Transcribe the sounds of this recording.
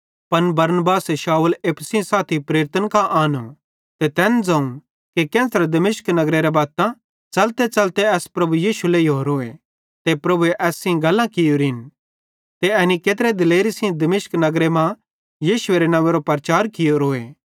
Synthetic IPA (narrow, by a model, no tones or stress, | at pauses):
pɐnbɐɾnəbaːsʃaːuleːpʰsĩsaːt̪ʰipɾeːɾt̪ənkaʔaːno | t̪et̪ɛːnd͡zãːũ | kekɛ̃ːt̪ɾed̪ɐmɪʃknɐɡɾeɾebaːt̪ã | t͡ʃɐlt̪et͡ʃɐlt̪eɛːspɾɐbujiːʃulejɦoːɾoːḛ | t̪epɾɐbueʔɛːsĩɡɐlːãkɪjoɾɪn | t̪eɛnikeːt̪̬ɾed̪ɪleːɾisĩd̪ɐmɪʃknɐɡɾemã | jiːʃʊeɾenɐʋeɾopɾət͡ʃaːɾkɪjoɾoːeː